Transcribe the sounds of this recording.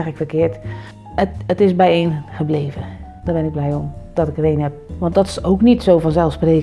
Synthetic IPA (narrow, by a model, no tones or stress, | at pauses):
ɪəkfəkɪət | əətɪsbɛjeːnxəbleːvəd̥aːbɪnɪɡ̚blɛjomd̥ɔtɪkəreːnhɛp̚ʋɔntdɔtɪ̥soknitsoːfɔnsɛlˠfspreːk